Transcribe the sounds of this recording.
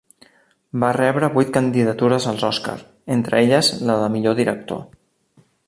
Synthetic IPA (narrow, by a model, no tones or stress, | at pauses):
barɛβɾəβujt̪̚kənd̪iðət̪uɾəzəlˠzɔska̰ɾ | ent̪ɾəeʎəzləðəmiʎoðiɾək̚t̪o̰